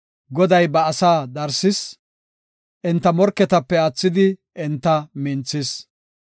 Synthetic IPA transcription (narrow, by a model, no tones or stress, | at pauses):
ɡɔd̪ɐjbɐːsaːd̪ɐɾsɪs | ʔɛnt̪ːɐmɔɾkːɛt̪ɐpːɛɐt͡sːɪd̪ɪʔɛnt̪ːɐmɪnt͡sːɪs